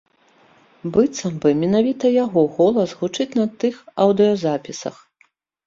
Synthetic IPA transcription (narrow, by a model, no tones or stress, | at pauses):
bɨt̪sɐmbɨmʲɛnavʲit̪ɐjaɣɔɣɔlˠɐsɣut͡ʂɨt͡sʲnɐt̪ɨxɐwd̪ɨɔzapʲisɐ̰x